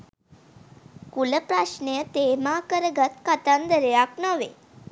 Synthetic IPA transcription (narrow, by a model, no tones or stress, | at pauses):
kuləpɾaɕnjət̪emakəɾəɡət̪kat̪and̪əɾeaknəʋe